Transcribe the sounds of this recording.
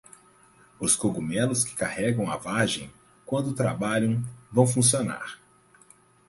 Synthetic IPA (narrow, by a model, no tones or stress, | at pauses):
ʊskoɡumɛlʊskɪ̥kahɛɡɐ̃w̃a̰vaʒẽj̃ | kwɐ̃nd̪ʊt̪ɾa̰baʎɐ̃w̃vɐ̃w̃fũsiona̰ɾ